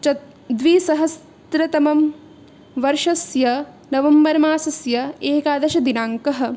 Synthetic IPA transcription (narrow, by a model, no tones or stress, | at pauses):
t͡ʃɐ | d̪ʋiːsɐɦɐs | t̪ɾɐt̪ɐmɐm | ʋɐɾʂɐsjɐ | nɐʋɐmbɐɾɐmaːsɐsjɐeːkaːd̪ɐʃɐd̪inaːŋkɐɦɐ̆